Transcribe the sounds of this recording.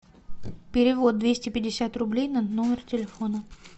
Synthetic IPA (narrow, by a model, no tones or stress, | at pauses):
pʲɪɾʲɪvo̞d̪̚d̪vʲesʲtʲɪpʲɪdʲːɪsʲat̪rʊblʲejnɐnomʲɪrtʲɪlʲɪfo̞nə